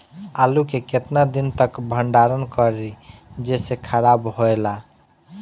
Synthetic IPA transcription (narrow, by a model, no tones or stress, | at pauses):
alukeket̪nad̪int̪əkbʱəɳɖaɾənkəɾid͡ʒesekʰaɾabɦoela